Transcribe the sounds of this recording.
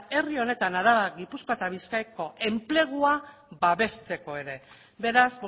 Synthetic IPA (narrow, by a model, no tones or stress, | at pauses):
e̞rio̞ne̞t̪anaɾaβaɣipusko̞et̪aβ̞iskajko̞ʔe̞mple̞ɣ̞ua | baβe̞st̪e̞ko̞e̞ɾe̞ | be̞ɾaz